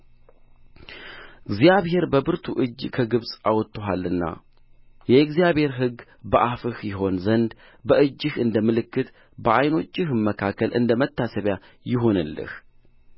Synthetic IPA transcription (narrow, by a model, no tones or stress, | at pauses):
ɨɡzijaβhe̞ɾbəbɨɾt̪ʰuʔɨd͡ʒkʰəɡɨβsʼawɔt̪ʰːoɦalːɨnːa̰ | jɛɨɡzjaβhe̞ɾɦɨɡː | bəʔafɨhjɪɦo̞nzənd̪ | bəʔɨd͡ʒːɪhɨnd̪əmɨlɨkːɨt̪ | bəʔajno̞t͡ʃʼːɪhməkʰakʰːəlʔɨ̰nd̪əmət̪ːasəβja | jɪɦo̞nɨ̰lːɨ̰h